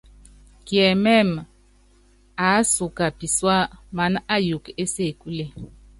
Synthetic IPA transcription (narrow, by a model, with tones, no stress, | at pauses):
kjɛ˨mɛ˦˨m | a˨˦su˨ka˨pi˨swa˦ma˨˦na˦ju˨ke˦se˦˨ku˦le˦˨